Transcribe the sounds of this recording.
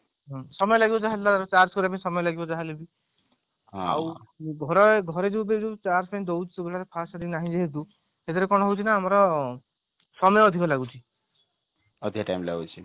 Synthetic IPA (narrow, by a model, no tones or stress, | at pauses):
ɦɔ̃sɔmɔjɔlaɡibɔd͡ʒaɦallaaɾɔt͡ʃaɾskɔɾepaĩsɔmɔjɔlaɡibɔd͡ʒaɦalebi | ɦɔ̰a̰wɡʱɔɾɔɡʱɔɾed͡ʒewbed͡ʒet͡ʃaɾspañid̪owd͡ʒsuɡɔɭaɾepʰasad̪inaɦĩd͡ʒeɦed̪u | hed̪ʰɔɾekɔɽ̃ɔɦowt͡ʃʰinaːmɔɾɔ | sɔmɔjɔɔd̪ʱikɔlaɡut͡ʃʰi | ɔd̪ʱikʈa̰jmla̰ɡṵt͡ʃʰi